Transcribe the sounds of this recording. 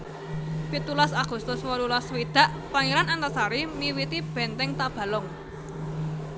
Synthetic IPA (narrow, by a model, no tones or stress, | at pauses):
pit̪ulasaɡ̥ṳst̪ʊswɔlulɔswid̪̥a̤ʔ | paŋiɾanant̪asaɾimiwit̪ib̥ɛ̤nt̪ɛŋt̪ab̥ä̤lɔŋ